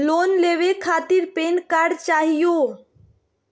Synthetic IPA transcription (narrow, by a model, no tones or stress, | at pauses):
loːnleːʋekʰaːt̪ɪɾpeːnkaɾɖt͡ʃaːɦijoː